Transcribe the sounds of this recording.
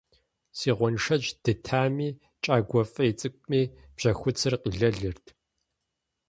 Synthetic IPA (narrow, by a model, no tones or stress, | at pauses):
siːʁʷɔnʂɐd͡ʒd̥ɨtʰaːmiː | t͡ʃʼaːɡʷɔfʼɐit͡sʼɨkʷʼmiː | b̥ʑ̥ɐxʷʊt͡sʰɨrqiːɮɐɮɨrtʰ